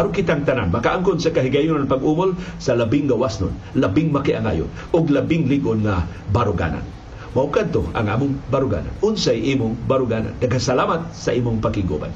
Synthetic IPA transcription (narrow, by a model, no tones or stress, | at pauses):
aɾokɪt̪aŋt̪ananmakaʔaŋkʊnsakaɦiɡajʊnaŋpaɡuːmolsɐlabɪŋɡawasnʊ̰n | labɪŋmakiʔaŋa̰jʊ̰n | ʊɡlabɪŋlɪɡʊnŋa | baɾʊɡa̰na̰n | maʔʊkad̪̚t̪oa̰ŋʔa̰ːmʊŋbaɾʊɡa̰ːna̰nʊnsajʔimʊŋbaɾʊɡaːna̰nːɐɡasalaːmat̪̚saʔiːmʊŋpakɪŋɡṵba̰n